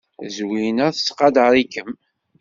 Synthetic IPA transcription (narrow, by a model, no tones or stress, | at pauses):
zwinæθə̥sqɑd̪əɾˤikːəm